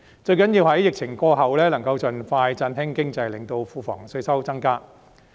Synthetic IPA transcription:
t͡ʃɵ˧ɥkɐ˨˥njiː˧whɐ˨˥jɪ˨k̚t͡sʰɪ˨˩ŋkɔː˧ɦɐ˨wlɛː˥lɐ˨˩ŋkɐ˧wt͡sɵ˨nfaː˧jt͡sɐ˧nɦɪ˥ŋkɪ˥ŋt͡sɐ˧jlɪ˨˩ŋt̪o˧wfuː˧fɔ̰ː˨˩ŋsɵ˧ɥsɐ˥wt͡sɐ˥ŋkaː˥

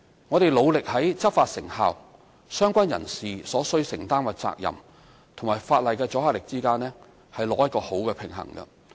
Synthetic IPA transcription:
ŋɔː˨˧t̪e˨jlo˨˧wlɪ˨k̚hɐ˨˥jt͡sɐ˥p̚faː˧t̚sɪ˨˩ŋhaː˨w | sœː˥ŋkʷɐ˥njɐ̰˨˩nsiː˨sɔː˨˥sɵ˥ɥsɪ˨˩ŋt̪aː˥nwɐ˨t̚t͡sa̰ː˧k̚jɐ̰˨˩m | t̪ʰʊ˨˩ŋmaː˨˩jfaː˧t̚lɐ˨jkɛː˧t͡sɔː˨˥haː˧˩lɪ˨k̚t͡siː˥kaː˥nlɛː˥ | hɐ˨jlɔː˨˧jɐ˥t̚kɔː˧ho˨˥wkɛː˧pʰɪ˨˩ŋɦɐ̰˨˩ŋkɐ̰˧

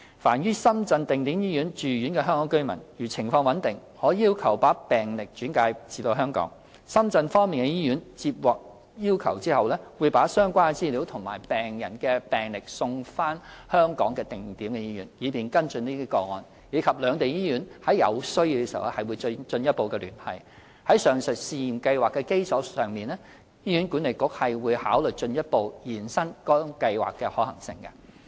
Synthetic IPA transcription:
fa̰ː˨˩njyː˥sɐ˥mt͡sɐ˧nt̪ɪ˨ŋt̪iː˨˥mjiː˥jyː˨˥nt͡ʃyː˨jyː˨˥nkɛ˧ɦœː˥ŋkɔː˨˥ŋkɵ˥ɥmɐ̰˨˩njyː˨˩t͡sʰɪ˨˩ŋfɔː˧ŋwɐ˨˥nt̪ɪ˨ŋ | hɔː˨˥jiː˥wkʰɐ˨˩wpaː˨˥pɛː˨ŋlɪ˨k̚t͡ʃyː˨˥nkaː˧jt͡siː˨˧t̪o˧wɦœː˥ŋkɔ̰ː˨˥ŋ | sɐ˥mt͡sɐ˧nfɔː˥ŋmiː˨nkɛ˧jiː˥jyː˨˥nt͡siː˧p̚wɔː˨k̚ | jiː˥wkʰɐ̰˨˩wt͡siː˥hɐ˨wlɛː˥wuː˨˧jpaː˨˥sœː˥ŋkʷaː˥ɛ˧t͡siː˥liː˨˥wt̪ʰʊ˨˩ŋma̰ː˨˩jpɛː˨˩ŋjɐ˨˩nkɛː˧pɛː˨˩ŋlɪ˨k̚sʊ˧ŋfaː˥nhœː˥ŋkɔ̰ː˨˥ŋkɛː˧t̪ɪ˨ŋt̪iː˨˥mkɛ˧jiː˥jyː˨˩njiː˨˧piː˨nkɐ˥nt͡sɵ˧niː˥iː˥kɔː˧ŋɔː˧n | jiː˨˧kʰɐ˨p̚lœː˨˧ŋt̪e˨jiː˥ɥyː˨˥nhɐ˨˥jɐ̰˨˧wsɵ˥ɥji˧wkɛ˧sḭ˨˩wlɛ˥hɐ˨jwuː˨˧jt͡st͡ʃɵ˧njɐ˥t̚po˨˧wkɛː˧lyː˨˩nhɐ̰˨˩j | hɐ˨˥jsœː˨ŋsɵ˨˩t̚siː˧ji˨˩mkɐ˧jwaː˨kːɛ˧ke˥jsɔː˨˥sœː˨ŋmiː˨˩nlɛː˥ | jiː˥ɥyː˨˥nkuː˨˥nle˨jkʊ˨˥k̚hɐ˨jwuː˨˧jhaː˨˥wlɵ˨jt͡ʃɵ˧njɐ˥t̚po˨˧wjiː˨˩nsɐ˥ŋkɔː˥kɐ˧jwa̰ː˨kːɛː˧hɔː˨˥hɐ˨˩ŋsɪ̰˨˧ŋkɐ̰˧

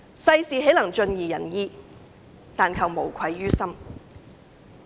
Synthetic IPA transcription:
sɐ˧jsiː˨˧ɦe˨˥jlɐ˨˩ŋt͡ʃɵ˧njiː˨jɐ̰˨˩njiː˧ | t̪aː˨nkʰɐ˨wmo˨˩wkʷʰɐ˨˧jːyː˥sɐ˥m

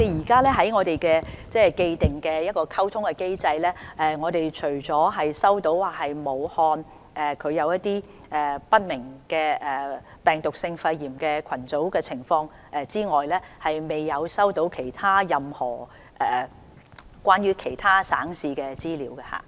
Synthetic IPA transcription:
ɔ˨˦e˨jiː˨˩kaː˥lɛː˥ɦɐ˨˥jŋɔː˨˧t̪e˨jkɛː˧t͡sɛː˥ke˧jt̪ɪ˨˩ŋkɛː˧jɐ˥t̚kɔː˧kʰɐ˥wt̪ʰʊ˥ŋkɛ˧ke˥jt͡sɐ˧jlɛː˥ʔɛː˨˩ŋɔː˨˧t̪e˨jt͡ʃʰɵ˨˩ɥt͡sɔː˨˥ɦɐ˨jsɐ˥wt̪o˨˥wwaː˨˩hɐ˨jmo˨˧whɔː˧n | ɛ˨kʰɵ˨˧ɥjɐ˨˧wjɐ˥t̪̚iː˥ | ʔɛ˨pɐ˥t̚mɪ˨˩ŋkɛː˧ʔɛ˨ | pɛː˨ŋt̪ʊ˨k̚sɪ˧ŋfɐ˧jːiː˨˩mkɛː˧kʰɐ˨˩nt͡so˨˥wkɛː˧t͡sʰɪ˨˩ŋfɔː˧ŋ | ʔɛ˨˧t͡siː˥ŋɔː˨jlɛː˥hɐ˨jme˨jːɐ˨˧wsɐ˥wt̪o˨˥wkʰe˨˩jt̪ʰaː˥jɐ˨mhɔː˨˩ | ʔɛː˨˩ | kʷwʷaː˥nɥyː˥kʰe˨˩jt̪ʰaː˥sa̰ː˨˥ŋsiː˧kɛ˧t͡siː˥liː˨˧˥wkɛ˧ha̰ː˨˩

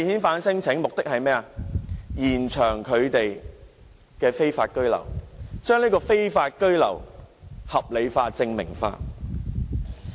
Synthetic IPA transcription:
jhiː˨˥nfaː˨˥nsɪ˥ŋt͡sʰɪ˨˥ŋmʊ˨k̚t̪ɪ˥k̚hɐ˨jmɛː˥a˨jiː˨˩nt͡ʃʰœː˨˩ŋkʰɵ˨˧ɥt̪e˨j | kɛː˧fe˥jfa̰ː˧t̚kɵ˥ɥlɐ̰˨˩wt͡ʃœː˥ŋliː˥kɔː˧fe˥jfaː˧t̚kɵ˥ɥlɐ̰˨˩whɐ˨p̚le˨˧jfaː˧t͡sɪ˧ŋmɪ̰˨˩ŋfa̰ː˧

